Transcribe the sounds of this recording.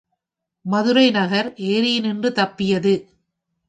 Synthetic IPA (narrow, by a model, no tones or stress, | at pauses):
mɐðɯɾɐɪnɐɣɐɾʔeːɾɪjɪnɪndrɯt̪ɐpːɪjɐðɯ